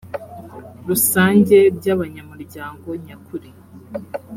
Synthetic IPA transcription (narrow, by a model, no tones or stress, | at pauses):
ɾusaːɲɟe̞ɾɟaβaɲamuɾɟaːŋɡo̞ɲakuɾi